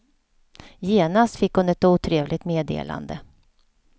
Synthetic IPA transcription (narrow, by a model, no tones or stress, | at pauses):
jeːnast̪fɪkːhʊnɛt̪̚uːt̪ʰɾeːvlʔɪɡt̪meːd̪ḛːla̰nd̪ə